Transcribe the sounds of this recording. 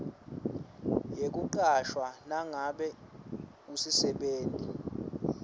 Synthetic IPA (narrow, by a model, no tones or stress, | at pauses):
jek̬ʼuǃaʃwanaŋaɓɛ | k̬usisɛɓeːntʼi